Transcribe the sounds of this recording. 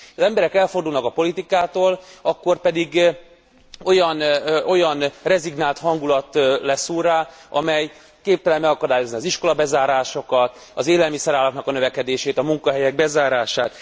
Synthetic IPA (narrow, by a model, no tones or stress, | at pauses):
ɒzɛmbɛɾɛkɛlfo̞rd̪uːlnɒkɒpo̞lit̪ikaːt̪oːlɒkːo̞rpɛd̪iɡ | o̞jɒno̞jɒnrɛziɡnaːlt̪hɒŋɡulɒt̪lɛsuːɾaːʔɒmɛj | keːpt̪ɛlɛmmɛɡɒkɒd̪aːjo̞zniɒziʃko̞lɒbɛzaːɾaːʃo̞kɒt̪ | ɒzeːlɛlmisɛɾaːlɒknɒkɒnøvɛkɛd̪eːʃeːt̪ɒmuŋkɒɦɛjɛɡ̚bɛzaːɾaːʃaːt̪